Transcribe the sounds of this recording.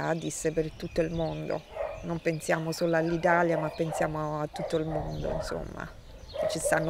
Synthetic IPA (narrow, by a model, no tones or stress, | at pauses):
a̰d̪isːepert̪ut̪ːoilmond̪o̰nompensjaːmosoːloalːit̪aljamapːensjaːmoat̪ːut̪ːoilmond̪o̰ḭnso̰mːa̰ | ket͡ʃːist̪anːo